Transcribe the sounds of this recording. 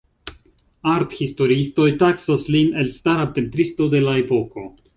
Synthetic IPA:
aɾthisto̞ɾiisto̞jtaksasline̞lstaɾape̞ntɾisto̞de̞lae̞po̞ko̞

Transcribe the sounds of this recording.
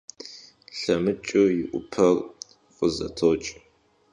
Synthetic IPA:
ɬɐmɨt͡ʃʼʊjɪʔʷʊ̰pʰɐr | qʼəzɐ̰tʰowt͡ʃʼ

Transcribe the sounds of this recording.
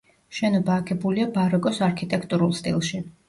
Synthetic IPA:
ʃɛnɔbaːkʰɛbuliabaɾɔkʼɔsaɾkʰit̪ʼɛkʰt̪ʼuɾulˠst̪ʼḭlˠʃi

